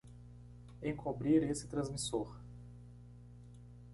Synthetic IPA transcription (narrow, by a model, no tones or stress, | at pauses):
ẽkobɾiɾesɪ̥t̪ɾɐ̃zmisoɾ